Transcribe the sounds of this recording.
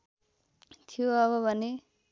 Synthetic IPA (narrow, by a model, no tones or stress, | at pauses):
t̪ʰijoʌβʌbʱʌne